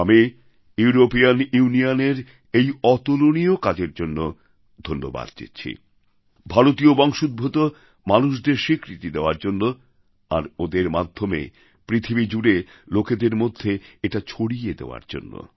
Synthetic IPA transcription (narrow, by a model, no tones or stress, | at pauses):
ami | juuɾopijanuunijaneɾ | ejɔt̪oloniokad͡ʑeɾd͡ʑonːo | d̪ʱonːo̰ba̰d̪̥̚d͡ʑḛtːɕʰḭ | bʱaɾot̪iobɔŋʃud̪̚bʱot̪o | manuʃ̬d̪eɾʃikɾit̪id̪eoaɾd͡ʑonːo | a̰ɾod̪eɾmad̪ʱːomḛ | pɾit̪ʰibid͡ʑuɖeloked̪eɾmod̪ʱːeeʈat͡ɕʰoɽijed̪ḛoa̰ɾd͡ʑo̰nːo̰